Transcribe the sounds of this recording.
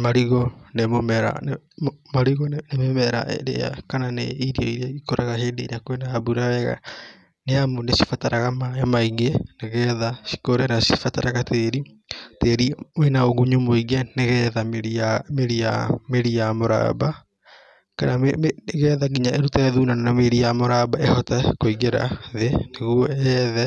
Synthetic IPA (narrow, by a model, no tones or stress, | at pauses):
maɾiɣɔnemomɛɾa̰n | maɾiɣɔnememɛɾa̰ʔɾḛa̰kananḛiɾiaiɾiaikoɾaɣaɦeːndeiɾeakowenaabuɾawɛɣa̰ | neamoneʃifataɾaɣamaemaiŋeneɣɛðaʃi̥koɾɛnasi̥fataɾaɣateːɾi | teːɾiwenaoɣuɲumoiŋɡɛneɣɛðameɾiameɾiameɾiamoɾa̰ba | kanamɣɛðaɡiɲaʔeɾutɛðuːnananameɾijamoɾaːbaehɔtɛkoiɡeɾa̰ðeneɣuɔɛðɛ